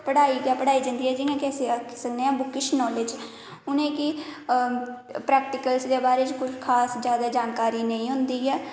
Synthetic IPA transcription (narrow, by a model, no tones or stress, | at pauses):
pəɽaːiːkaːpəɽaːiːd͡ʒə̃nd̪iːɦɛːd͡ʒiːãkɪəsĩksəkʰneːãːbʊkɪʃnɔːleːd͡ʒ | ʊnẽːkɪ | pɾɛːk̚ʈɪkəlsd̪eːbaːɾeːt͡ʃkʊt͡ʃkʰaːsd͡ʒjaːd̪aːd͡ʒaːnkaːɾiːnəĩːɦʊ̃nd̪iːɛː